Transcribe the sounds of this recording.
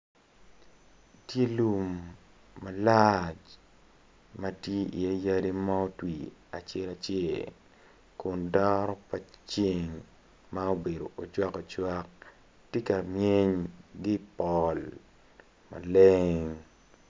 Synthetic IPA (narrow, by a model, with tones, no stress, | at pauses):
tje˦lu˦mː | a˨lat͡ʃ | ma˦tje˦ḭ˨a˦ja˦di˦ma˦o˦twi˨a̰˨t͡ʃe˦la˨t͡ʃjɛ˦˨ | kʊ˨ndɔ˦ɾɔ˦pa˨t͡ʃi˦ŋ | ma˦o˦be˨do˨ʔo˨d͡ʒwa˦kɔ˨t͡ʃwa˦k̚ | tje˦ka˨mje˦ɲɡɪ˦pɔl | ma̰˨le˦ŋŋ